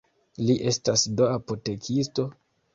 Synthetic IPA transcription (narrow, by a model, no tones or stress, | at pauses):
liʔe̞stasdoapote̞kʰisto̞